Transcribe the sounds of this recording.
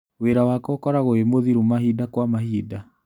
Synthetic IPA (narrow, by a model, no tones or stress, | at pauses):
weɾawakɔkɔɾaɣoemoðiɾumaɦidakwamahiːda